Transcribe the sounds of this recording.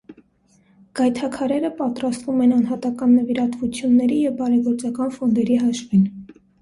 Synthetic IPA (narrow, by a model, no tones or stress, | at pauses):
ɡ̥ɑjt̪ʰɑkʰɑɾɛɾəpɑt̪ɾɑst̪vumɛnɑnɦɑt̪ɑkɑnːəviɾɑt̪vut͡sʰjunːɛɾijɛvbɑɾɛɡɔɾt͡sɑkɑnfɔnd̪ɛɾiɦɑʃvin